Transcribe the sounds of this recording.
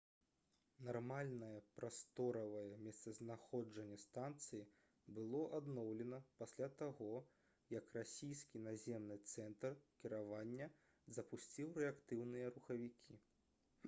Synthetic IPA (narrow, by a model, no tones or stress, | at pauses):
narmalʲnɐjɐpɾast̪ɔɾɐvɐjɐmʲɛst̪sɐznaxɔd͡ʐɐnʲːɛst̪ant̪sɨji | bɨlˠɔʔad̪nɔwlʲɛnɐpasʲlʲat̪aɣɔ | jɐkrasʲijskʲinazʲɛmnɨt̪sɛnt̪rkʲiɾavanʲːɐ | zɐpusʲt͡sʲiwɾɛakt̪ɨwnɨjɐɾuxɐvʲikʲʰi